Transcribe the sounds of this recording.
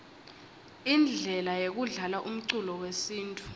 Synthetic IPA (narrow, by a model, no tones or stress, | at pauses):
ind͡ɮʱɛlajek̬uɮalaʔum̩ǀulɔwesiːntʼu̥